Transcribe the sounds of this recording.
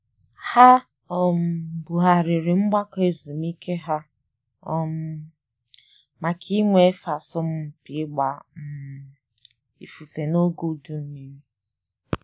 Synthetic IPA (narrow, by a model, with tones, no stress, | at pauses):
ha˦ | ɔ˨m̩˨bu˨ɦa˨ɾɪ˨ɾɪ˨ŋ͡m̩˦ɡ͡ba˦ke˨zu˨m˦i˦ke˦ɦa˦ | ɔ˦m̩˦ | ma˨kʰi˦ŋʷe˦e˦fa˨sʊ˦m̩˦˨pi˨˦ɡ͡ba˨m̩˨ | ḭ˨fu˨fe˨no˦ɡu˦˨du˦m̩˦mi˦mi˦